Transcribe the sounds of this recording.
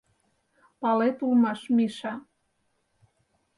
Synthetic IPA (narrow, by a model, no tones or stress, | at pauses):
pɑlet̪ulmɑʃmiʃɑ